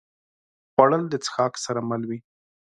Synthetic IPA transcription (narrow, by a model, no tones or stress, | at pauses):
waɽəld̪ət͡sə̥xɑksaɾamalwi